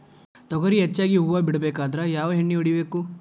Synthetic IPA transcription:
t̪ɔɡɐɾiɦet͡ʃːaːɡiɦuːʋɐbiɽɐbeːkaːd̪ɐɾɐjaːʋɐɦeɳːiuɽibe̞ːku

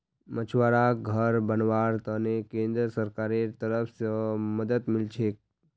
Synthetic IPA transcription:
mət͡ʃʰʋaɾaɡʱəɾbənʋaɾt̪ənekẽnd̪ɾəsəɾkaɾet̪əɾəfsəməd̪ət̪mɪlt͡ʃʰek̚

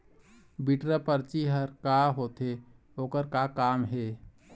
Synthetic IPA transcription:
biʈɾəpəɾt͡ʃiɦəɾkaɦot̪ɦe | oːkəɾkakaːmɦe

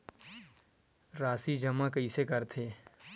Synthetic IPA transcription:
ɾaːsid͡ʒɐmakɐisekɐɾt̪ʰeː

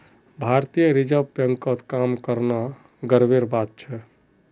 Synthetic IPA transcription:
bʱaɾt̪ijəɾid͡ʒəbpəŋkət̪ʰkamkəɾna | ɡəɾbeɾbat̪̚t͡ʃʰɛ

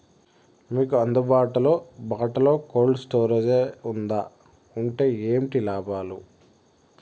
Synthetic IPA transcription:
miːkuɐnd̪ubaːʈulo̞ːbaːʈɐlo̞ːkoːlɖsʈoːɾɐd͡ʒeund̪aː | uɳʈe̞ːeːmiʈilaːbaːlu

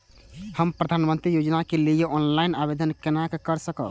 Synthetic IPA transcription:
həmpɾəd̪ʱanmənt̪ɾijod͡ʒnakelijeʔɔnlainabed̪ʱənkenakekəɾsəkə̰l

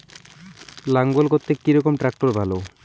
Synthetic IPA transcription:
laŋɡolkot̪ːekːiɾɔkomʈɾak̚ʈoɾbʱalo

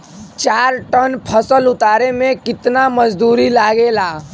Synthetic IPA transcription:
t͡ʃaːɾʈənpʰəsəlʊt̪aːɾemẽkɪt̪naməd͡ʒd̪uːɾilaːɡelaː

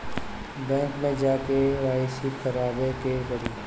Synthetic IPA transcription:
bɛ̃ːŋkmẽd͡ʒaːkeɾaːɪsikɐɾaːbekeɡəɾiː

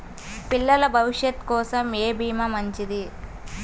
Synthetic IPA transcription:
pilːɐlɐbʱɐʋiʂjɐt̪kɔːsɐmeːbʱiːmɐmɐɲt͡ʃid̪i

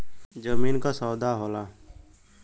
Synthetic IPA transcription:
d͡ʒəmiːnkaːsɔːd̪aːɦoːlaː

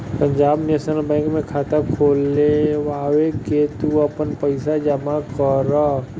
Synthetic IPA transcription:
pə̃ɲd͡ʒaːbnjesənəlbɛ̃ːŋkmẽkʰaːt̪akʰoːleʋaːʋeket̪uɐpənpəɪsad͡ʒəmakəɾə

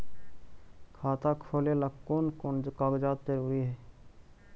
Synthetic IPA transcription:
kʰaːt̪akʰoːleləkːonkonkaɡd͡ʒaːt̪ːeɾɦʊiɦɛː

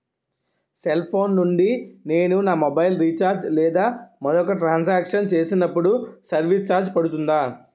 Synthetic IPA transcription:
selpʰo̞ːnːuɳɖine̞ːnunaːmɔbɐjlɾiːt͡ʃaːɾd͡ʒlɛːd̪aːmɐd̪ɔkɐʈɾaːns̬aːkʂɐnt͡ʃeːsinɐpːuɽusɐɾʋit͡ʃaːɾd͡ʒpɐɽut̪und̪aː

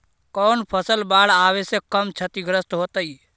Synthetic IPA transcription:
kɔːnpʰəsəlbaːɽaːʋesekəmt͡ʃʰət̪iɡɾəst̪ɦoːt̪əiː

